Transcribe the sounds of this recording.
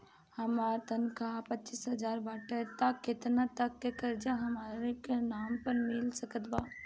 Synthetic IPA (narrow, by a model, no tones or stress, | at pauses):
hɐmaːɾt̪ənkʰapɐtːt͡ʃisɦɐd͡ʒaːɾbaːʈet̪akːɪt̪nat̪ɐkːekɐɾd͡ʒaɦɐmaːɾekenaːmpɐɾmɪlsɐkət̪baː